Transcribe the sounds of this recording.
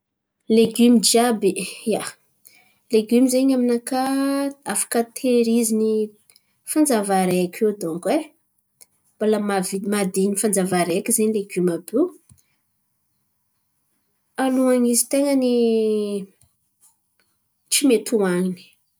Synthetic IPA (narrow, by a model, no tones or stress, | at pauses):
leɡymid͡ʒiabeja | leɡymizeɲaminakaafḁkət̪ʰeɾizini | fand͡zavaɾekʲewd̪uŋkwe | b̥alamavimad̪enifand͡zavaɾekizeɲileɡymabe | aluaŋizit̪eŋəni | t͡simet̪ʰuaŋini̥